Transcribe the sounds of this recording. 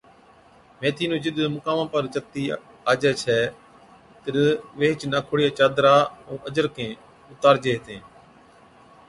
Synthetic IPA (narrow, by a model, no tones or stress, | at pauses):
mẽːt̪ʰiːnõːd͡ʒɪɗ̪mʊkaːmãːpəɾd͡ʒək̚t̪iː | aːd͡ʒɛːt͡ʃʰɛː | t̪əɾʋeːt͡ʃnaːkʰʊɽijaːt͡ʃaːd̪ɾaːõːʔəd͡ʒəɾkʰẽː | ʊt̪aːɾd͡ʒeːɦt̪ẽː